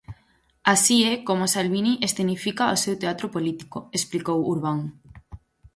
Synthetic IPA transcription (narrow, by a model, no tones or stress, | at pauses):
asiɛkomosalβiniʔest̪enifikaosewt̪eat̪ɾopolit̪i̥koesplikowuɾβaŋ